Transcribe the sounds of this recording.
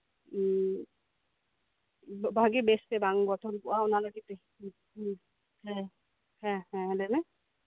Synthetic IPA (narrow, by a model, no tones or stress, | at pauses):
bʱaɡibɛstɛbaŋbɔtʰɔnbʊaʊnalaɡitɛ | hɛ | hɛ̃hɛ̃lɛmɛ